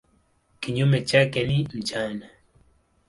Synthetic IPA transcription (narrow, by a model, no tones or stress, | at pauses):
kiɲumet͡ʃakɛnim̩t͡ʃana